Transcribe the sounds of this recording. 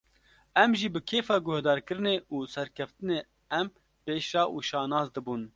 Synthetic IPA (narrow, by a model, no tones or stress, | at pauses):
ɛmʒiːbɨkʰeːfɑːɡʊhd̪ɑːɾkɨɾɨneːʔuːsɛɾkʰɛft̪ɨneː | ɛm | peːʃɑːʔuːʃɑːnɑːzd̪ɨbuːn